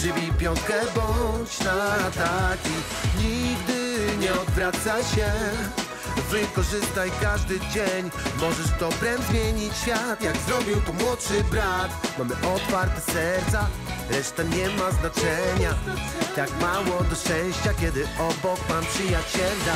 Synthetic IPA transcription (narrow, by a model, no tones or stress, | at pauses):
ʂɨbʲipʲjɔŋkɛbɔt͡ɕnat̪akʲi | ɲiɡd̪ɘɲɛɔd̪vɾat̪saɕɛ | vuikɔʐɘst̪ajkaʐd̪ɘd͡ʑeɲ | mɔʐɛʂt̪ɔpɾɛnd̪zmʲjeɲit͡ɕːfʲjat̪jaɡzɾɔbʲiwt̪ɔmwɔt̪ʂɘbɾat̪mamɘʔɔt̪faɾt̪ɛsɛɾt̪sa | ɾɛʂt̪aɲɛmaznat͡ʂɛɲa | t̪akmawɔd̪ɔɛ̃w̃ɕt͡ɕakʲɛd̪ɘɔbɔkmampʂɨjat͡ɕɛlʲa